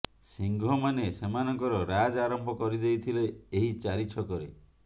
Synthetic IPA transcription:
siŋɡʱɔmanesemanɔŋkɔɾɔɾad͡ʒaɾɔmbʱɔkɔɾid̪ejt̪ʰileːɦit͡ʃaɾit͡ʃʰɔkɔɾe

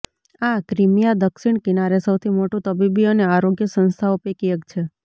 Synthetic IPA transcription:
akɾimijad̪əkʃiɳkinaɾesəwt̪ʰimoʈũt̪əbibiəneaɾoɡjəsə̃nst̪ʰaupekijəkt͡ʃʰe

